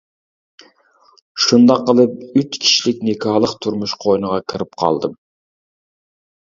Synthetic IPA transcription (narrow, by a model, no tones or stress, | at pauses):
ʃund̪ɑqːəlˠɨp̚yt͡ʃkʲʰi̥ʃilɪk̚ʲnekʰɑːlˠəqt̪ʰuɾmuʃqʰoinəʁɑkʲʰɪɾɪp̚qʰɑ̰lˠd̪ɨm